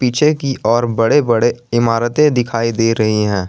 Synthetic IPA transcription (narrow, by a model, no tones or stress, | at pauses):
piːt͡ʃʰekiʔɔːɾbɐɽebɐɽeɪmaːɾət̪ẽd̪ɪkʰaːid̪eːɾɐɦiɦɛ̃ː